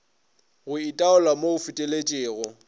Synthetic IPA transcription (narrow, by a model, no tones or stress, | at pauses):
ɣʊitʼaʊlamoʊfɪtʼelet͡ʃʼɪːɣɔ